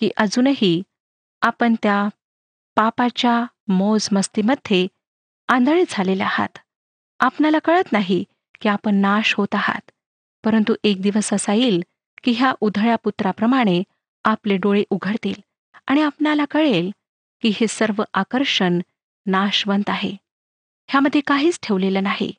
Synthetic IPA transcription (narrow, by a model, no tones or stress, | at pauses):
kiːʔəd͡zuːnəɦi | apəɳt̪ja | papat͡ɕja | mod͡zməst̪iməd̪ʱːe | ãnd̪ʱəɭed͡zʱalelaha̰t̪ | apnalakəɭət̪naɦi | kiːapəɳːaɕɦot̪aɦa̰t̪ | pəɾənt̪uʔek̚d̪iʋəsəsajiːl | kiːɦjaʔud̪ʱɭjaput̪ɾapɾəmaɽ̃e | apleɖoɭeʔuɡʱəɽt̪ḭːl | aɽ̃iapnalakəɭel | kiːɦesəɾʋəʔakəɾʂənː | aɕʋənt̪aɦḛ | hjaməd̪ʱːjekaɦiːt͡sʈʰeʋlelənaɦiḛ